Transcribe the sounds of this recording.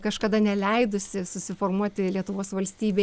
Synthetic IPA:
kɐʃkɐd̪ɐnʲɛlʲɛɪd̪ʊsʲɪsʊsʲɪfoːrmuɔtt̪ʲɪlʲiɛt̪ʊʋoːsʋɐlʲsʲt̪ʲiːbʲe

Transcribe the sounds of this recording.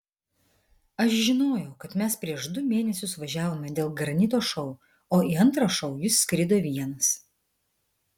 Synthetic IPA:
ɐʃʒʲɪnoːjɛʊkɐt̪mʲɛspʲɾʲiɛʃd̪ʊmʲeːnʲɛsʲʊsʋɐʒʲæːʋoːmʲɛd̪ʲeːlˠɡɾɐnʲɪt̪̬oːʃɔʊ | oːiːɐnt̪ɾɐʃɒʊjɪsːʲkɾʲɪd̪oːʋʲiɛnɐs

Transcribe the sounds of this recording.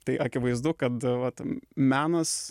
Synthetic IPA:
t̪ɐɪʔɐkʲɪʋɐɪzd̪ʊkɐt̪ʋɐt̪mʲæːnɐs

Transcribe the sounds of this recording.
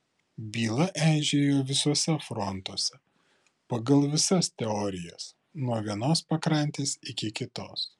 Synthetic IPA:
bʲiːlˠɐʔæːʒʲeːjoːʋʲɪsoɔsʲɛfɾɔnt̪oɔsʲɛ | pɐɡɐlˠʋʲɪsɐst̪ʲɛɔːɾʲɪjɛs | nuɔʋʲiɛnoːspɐkɾɐnʲt̪ʲeːsɪkʲɪkʲɪt̪o̰ːs

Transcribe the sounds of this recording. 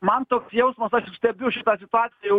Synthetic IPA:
mɐnt̪oːksjɛʊsmɐsɐʃjʊsʲt̪ʲɛbʲʊʃʲɪt̪ɑːsʲɪt̪ʊɑːt̪ʲɪjɛjɛʊ

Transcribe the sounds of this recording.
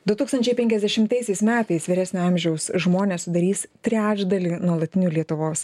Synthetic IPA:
d̪ʊt̪uːkst̪ɐnʲt͡ʃʲɛɪpʲɛŋʲkʲɛzʲd̪ʲɛʃʲɪmt̪ɐɪsʲɛɪsmʲæːt̪ɐɪsʋʲɪɾʲæːsʲnʲʊɑmʲʒʲɛʊsʒmoːnʲeːssʊd̪ɐɾʲiːst̪ʲɾʲæːd͡ʒd̪ɐlʲinuɔlˠɐt̪ʲɪnʲuːlʲiɛt̪ʊʋoːs

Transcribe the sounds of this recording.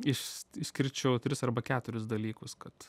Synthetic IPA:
ɪʃɪʃsʲkʲɪɾʲt͡ʃʲɛʊt̪ʲɾʲɪsɐrbɐkʲæːt̪ʊɾʲʊsd̪ɐlʲiːkʊskɐt̪

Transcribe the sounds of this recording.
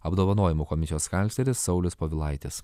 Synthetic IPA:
ɐbd̪oːʋɐnoːjɪmuːkɔmʲɪsʲijoːskɐlʲt̪ʲɛɾʲɪsːɒʊlʲʊspoːʋʲɪlˠɐɪt̪ʲɪs

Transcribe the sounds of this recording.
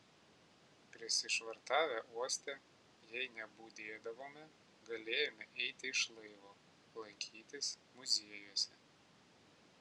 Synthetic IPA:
pʲɾʲɪsʲɪʃʋɐɾt̪ɑːʋʲæːʔuɔsʲt̪ʲɛ | jɛɪnʲɛbuːd̪ʲeːd̪ɐʋoːmʲɪ | ɡɐlʲeːjoːmʲɪʔɛɪt̪ʲɪɪʃlˠɐɪʋoː | lˠɐɪkʲʰiːt̪ʲɪs | mʊzʲeɛjuɔsʲɛ

